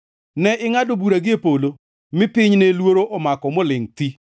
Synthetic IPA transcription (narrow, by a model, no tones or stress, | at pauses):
nɛʔɪŋadobuɾaɡɪepolo | mɪpɪɲnelwoɾoʔɔmakɔmolɪŋti